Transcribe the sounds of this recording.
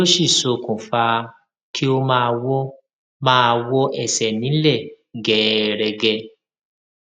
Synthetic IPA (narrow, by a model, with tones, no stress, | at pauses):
o˦ʃi˦˨so˧˨kũ˨fa˧ | ki˦o˧mãː˦˧wɔ˦ | mãː˦˧wɔ˦ʔɛ˦˨sɛ˨nĩ˨˦lɛ˦˨ | ɡɛ˨˦ɾɛ˧ɡɛ˧